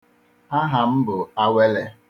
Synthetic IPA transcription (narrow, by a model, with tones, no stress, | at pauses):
a˦ɦa˨m̩˦bʊ˨a˦we˦le˦